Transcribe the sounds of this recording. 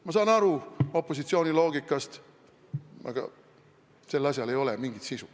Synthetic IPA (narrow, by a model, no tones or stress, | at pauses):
mɑs̬ɑːnɑɾuo̞pːo̞s̬it̪sio̞ːnʲilo̞ːɡikːˑɑst̪ | ɑ̰ɡ̥ɑ̰ | se̞lːɑs̬ʲjɑle̞jo̞lemiŋɡ̥it̪sisu